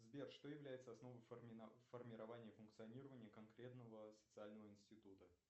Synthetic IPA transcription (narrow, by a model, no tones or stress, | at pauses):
zbʲerʂt̪ojɪvlʲæjɪt̪səɐsno̞vəjʲfərmʲɪɾɐvanʲɪjəfʊnk̚t̪sɨɐnʲiɾəvənʲɪjəkɐnkɾʲe̞t̪nəvəsə̥t̪sɨalʲnəvəɪnsʲtʲɪt̪ut̪ə